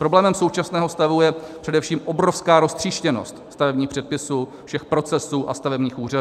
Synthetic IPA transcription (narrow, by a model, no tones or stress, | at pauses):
pɾo̞blɛːmɛmso̞wt͡ʃasnɛːɦo̞st̪avujɛpr̥ɛdɛfʃiːmʔobɾo̞fskaːɾo̞st̪r̝̥iːʃcɛno̞̰st̪st̪avɛbɲiːxpr̥ɛt̪̚pɪsuːfʃɛxpɾo̞t͡sɛsuːʔa̰st̪avɛbɲiːxʔuːra